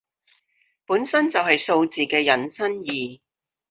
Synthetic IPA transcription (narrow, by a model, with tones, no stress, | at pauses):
puː˨˥nsɐ˥nt͡sɐ˨wɦɐ˨jso˧wt͡siː˨kɛː˧jɐ˨˥nsɐ˥njiː˨